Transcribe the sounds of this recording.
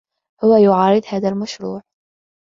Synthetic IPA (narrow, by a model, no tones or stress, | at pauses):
hʊwajʊʕɑːɾɪd̪haːðalmaʃɾuːʕ